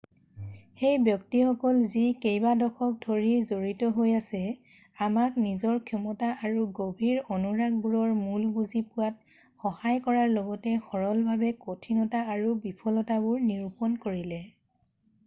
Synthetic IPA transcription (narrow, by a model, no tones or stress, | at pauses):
xejbjɔktixɔkɔlzikejbadɔxʰɔk̚dʱoɹizoɹitɔɦojasɛ | amaknizɔɹkʰjɔmɔtaʔaɹuɡobʱiɹonuɹaɡ̚buɹɔɹmulbuzipʊwat̚ | xɔhajkɔɹaɹlɔɡɔtɛxɔɹɔlbʱabɛkotʰinɔtaaɹubipʰɔlɔtabʊɹniɹupɔnkoɹilɛ